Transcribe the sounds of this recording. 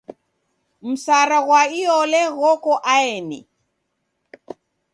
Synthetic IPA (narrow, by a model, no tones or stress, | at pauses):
m̩saɾaɣwaiɔlɛɣɔkɔʔaɛnḭ